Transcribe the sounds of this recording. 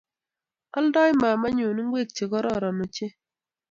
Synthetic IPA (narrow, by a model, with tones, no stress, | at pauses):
ɔ˦ldɔ˦jma˨ma˦ɲu˨ni˦ŋ˦ɡwe˦˨k̚t͡ʃe˨kɔ˦ɾɔ˦˨ɾɔ˨mɔ˨t͡ʃe˦